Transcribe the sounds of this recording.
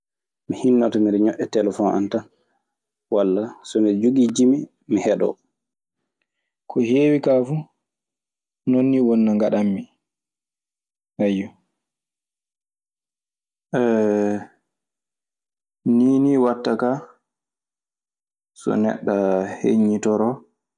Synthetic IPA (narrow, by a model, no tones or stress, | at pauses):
mihinːatɔmiɾɲɔʔɛtɛlɛfɔna̰nta | walːasɔmid͡ʒuɡid͡ʒimi | mihɛɗɔ̰ | kʰɔheːwikafu | nonːiwonːaŋɡaɗamːi | hajːɔ | ʔɛ | niːniwatːaka | sɔ̰nɛ̰ɗːahḛɲːitɔɾɔ